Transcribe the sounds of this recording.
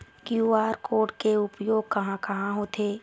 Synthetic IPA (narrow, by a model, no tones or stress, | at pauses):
kjuːaːɾkoːɾɖkeʊpjoːɡ̚kɐɦãkɐɦãɦoːt̪ʰeː